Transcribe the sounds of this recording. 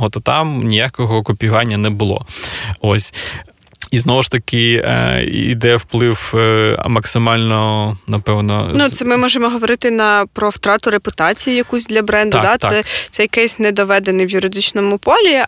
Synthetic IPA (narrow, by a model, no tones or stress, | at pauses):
ɦɔt̪ɔt̪ɑmnʲijakɔɦɔkʊpʲiɦɑnʲːɐnɛbʊlˠɔ̰osʲ | iznɔʋʊʃt̪ɐkɪ | ḭd̪ɛwplˠɪw̰mɐksɪmɑlʲnɔnɐpɛwnɔ̰nut̪sɛmɪmɔʒemɔɦɔʋɔɾɪt̪ɪnɐpɾɔwt̪ɾɑt̪ʊɾepʊt̪ɑt͡sʲijijɐkusʲd̪lʲɐbɾɛnd̪ʊd̪at̪sɛt̪sɛjɐkɛsʲnɛd̪ɔʋɛd̪enɪjʋjʊɾɪd̪ɪt͡ʃnɔmʊpɔlʲi